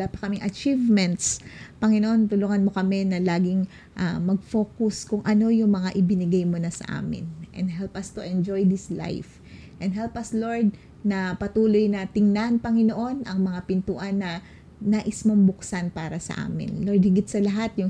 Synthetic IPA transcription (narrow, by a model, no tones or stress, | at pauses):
lapɐkɐmɪŋʔɐt͡ʃivmɛnt̪spɐŋɪnoʔo̞nt̪ʊluŋɐnmo̞kɐmɛnɐlaːɡɪŋ | ʔamɐɡ̚fo̞ːkʊskʊŋʔɐno̞jʊŋmɐŋaʔɪbɪnɪɡajmonɐsɐ̰ʔa̰ːmɪ̰nʔɛnd̪ɦɛlpɐst̪ʊʔɛnd͡ʒojd̪ɪsla̰jf | ʔɛnd̪ɦɛlpɐslo̞ɹd̪̚ | nɐpɐt̪uːlojnɐt̪ɪŋnanpɐŋɪnoʔo̞nʔɐŋmɐŋapɪnt̪uːʔɐnːɐ | naːʔɪsmoŋbʊksanpaːɾɐsɐ̰ʔa̰ːmɪ̰nloɹd̪hɪɡɪt̪̚sɐlɐɦat̪̚jʊŋ